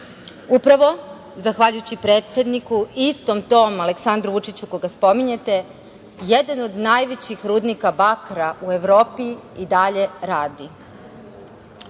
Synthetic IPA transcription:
upɾaʋo̞ | zaxʋaʎujut͡ɕipɾe̞ːt̪sʲe̞d̪nikuist̪o̞mt̪o̞ːmale̞ksand̪ɾuʋut͡ʃit͡ɕuko̞ɡaspo̞miɲe̞t̪e̞ | jed̪ano̞d̪najʋet͡ɕixɾuːd̪nikabakɾaʔue̞ʋɾo̞ːpiid̪aʎe̞ɾaːd̪i

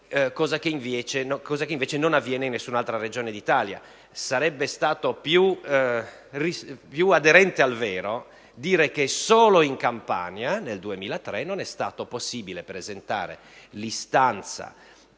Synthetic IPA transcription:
kɔːzakeiɱvɛːt͡ʃenokɔːzakeiɱvɛːt͡ʃenonavːjɛːneinːesːunalt̪ɾaɾed͡ʒoːned̪it̪aːlja̰ | saɾɛbːest̪aːt̪opju | ripjuad̪eɾɛnt̪ealvɛːɾo | d̪iːɾekesoːloiŋkampa̰njaneld̪uemiːlat̪ɾɛnonɛst̪a̰ːt̪oposːiːbilepɾezent̪a̰ːɾḛ | list̪ant̪sa̰

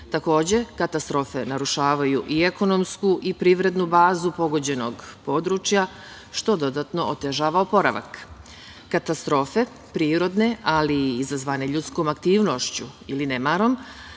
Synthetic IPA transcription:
t̪ako̞ːd͡ʑe̞kat̪ast̪ɾo̞fe̞naɾuʃaːʋajuʔieko̞no̞mskuʔipɾiʋɾe̞d̪nubaːzupo̞ɡod͡ʑe̞no̞ɡpo̞d̪ɾut͡ʃja | ʃt̪o̞d̪o̞d̪at̪no̞ʔot̪e̞ʒaːʋaopo̞ɾa̰ʋa̰k | kat̪ast̪ɾo̞fe̞ | pɾiːɾo̞d̪ne̞aliːzazʋaneʎut̪sko̞ːmakt̪iːʋno̞ʃt͡ɕuilinemaːɾo̞m

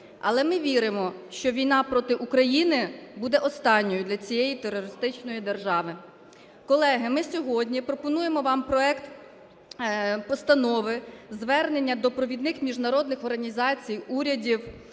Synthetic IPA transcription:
ɐ̰lˠɛmɪʋʲiɾɪmɔʃt͡ʃɔʋʲijnɑpɾɔt̪ɪʔukɾɐjinɪbud̪ɛʔɔst̪ɑnʲːɔjʊd̪lʲɐt͡sʲijejit̪erːɔɾɪst̪ɪt͡ʃnɔjid̪erʒɑʋɪ | kɔlˠɛɦɪmɪsʲɔɦɔdʲnʲipɾɔpɔnujemɔʋɑmpɾɔɛkt̪ | pɔst̪ɐnɔʋɪzʋɛrne̞nʲːɐd̪ɔpɾɔʋʲid̪nɪxmʲiʒnɐɾɔd̪nɪxɔrɦɐnʲizɑt͡sʲijuɾʲɐdʲiw

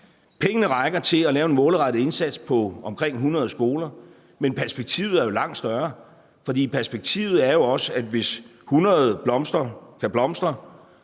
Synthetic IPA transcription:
pʰeŋənəʁɑ̈ɪɡ̥ɐt͡sʰe̝lælɛːʊe̝nmɔ̽ːləʁɑ̈dɾ̥ð̩e̝nsæd̥spʰɒ̽ɒ̽mkʰʁeŋ̰ɦunʁɐð̞̩ˠsɡ̥o̝ːlɐ | menpʰæɐsb̥e̝ɡ̥̚t͡sʰḭːʊð̩ˠæɐjo̝lɑ̈ŋ̰d̥sd̥ɶɐ | fɒ̽d̥ḭːpʰæɐsb̥e̝ɡ̥̚t͡sʰḭːʊð̩ˠæɐjo̝ɒ̽səæd̥ʋe̝shunʁɐð̞̩ˠb̥lɒ̽msd̥ʁɐkʰæb̥lɒ̽msd̥ʁɐ

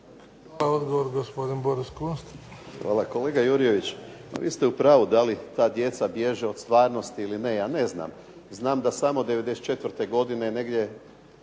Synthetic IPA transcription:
x | ʋalaod̪ɡoʋoɾɡospod̪inboɾiskunst̪xʋa̰ːlˠako̞le̞ːɡajuɾije̞ʋit͡ɕma̰ʋḭːst̪eupɾaːʋud̪alit̪aːd̪je̞t̪sabje̞ʒeo̞t̪st̪ʋaːɾno̞st̪iiline̞jaːne̞zna̰ːm | znaːmd̪asamo̞d̪eʋe̞d̪eset̪t͡ʃe̞t̪ʋɾt̪e̞ɡo̞d̪inene̞ɡd̪je̞

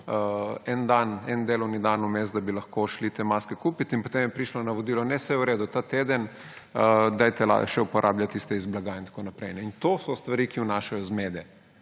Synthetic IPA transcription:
əɛnd̪anɛnd̪eːlɔwnid̪anumezt̪d̪abilɐxkoʃlit̪eːmaːskɛkupit̪inpɔt̪emjɛpɾiʃlɔnaʋɔd̪iːlɔnɛsɛjɛwɾeːd̪ut̪at̪eːd̪ən | əd̪ajt̪ɛla̰ʃɛupɔɾʔaːbljat̪ist̪ɛizblaɡaint̪ḁkonapɾɛjnɛint̪oːsɔst̪ʋaɾikiunaːʃajɔzmed̪ɛ

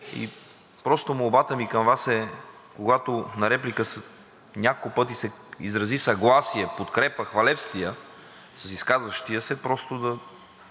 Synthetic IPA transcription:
ḭ | pɾɔst̪omobat̪əmikɐmvasɛ | koɡat̪onɐɾɛplikəs | nʲakokʊpɤt̪̬isɛizɾɐzisɐɡlˠasiɛpot̪kɾɛpəxvɐlɛpst̪ijə | sɐsiskazvəʃt̪ijəsɛpɾɔst̪od̪ɐ

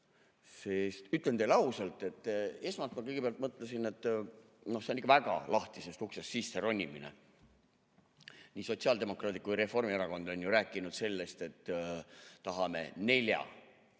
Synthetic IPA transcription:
sest̪yt̪ːˑlent̪e̞lɑusɑlt̪ˑe̞t̪ːˑe̞smɑst̪mɑkɤjɡ̥e̥eɑlt̪mɤt̪ˑlesine̞t̪ːˑ | no̞hseonikːɑvæɡ̥ɑ̰lɑht̪ise̞st̪uksesːiːsːeɾo̞nʲːiminḛ | nʲiːso̞t̪siɑld̪̥e̞mo̞krɑːd̪ikujɾe̞fo̞rmieɾɑko̞nd̪̥o̞nʲjuɾæːkːˑinud̪̥se̞lːe̞st̪e̞t̪ː | ɑɦɑmḛne̞ljɑ̰

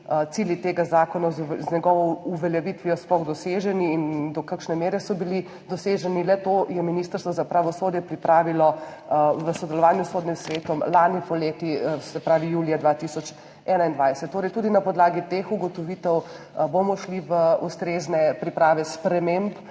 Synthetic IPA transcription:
t̪siljit̪eːɡazaːkɔnazznɛɡɔʋɔuʋɛljɛʋit̪ʋijɔsplɔɣd̪ɔseʒɛniːnd̪ɔkakʃnɛmeːɾɛsɔbili | d̪ɔseːʒɛnilɛt̪oːjɛminiːst̪əɾst̪ʋɔzapɾaʋɔsoːd̪jɛpɾipɾaːʋilɔ | ʋəsɔd̪ɛlɔʋaːnjusxoːd̪nimsʋeːt̪ɔmlaːnipɔleːt̪isɛpɾaːʋijuːlijad̪ʋat̪isɔt͡ʃ | ɛːnaind̪ʋajsɛ̥t̪tːoːɾɛjt̪ud̪inapɔd̪laːɡit̪exuɡɔt̪ɔʋiːt̪ɛw | bomɔʃliʋəust̪ɾeznɛpɾipɾaːʋɛspɾɛmemp

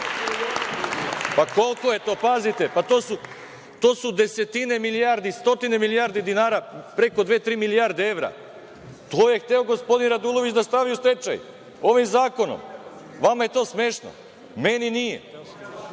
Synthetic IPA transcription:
pako̞lˠkojet̪o̞ːpazit̪e̞pat̪oːsu | t̪o̞ːsud̪e̞se̞t̪ine̞milijaɾd̪ist̪o̞t̪ine̞milijaːɾd̪id̪inaːɾapɾe̞ko̞d̪ʋet̪ɾiːmilijaɾd̪ee̞ʋɾa̰ | t̪oːjext̪eoɡospo̞d̪inɾad̪ulˠoʋit͡ʃd̪ast̪aʋiust̪e̞t͡ʃa̰j | o̞ʋimzaːko̞no̰m | ʋamajet̪o̞ːsmeːʃno̰ | meninijḛ

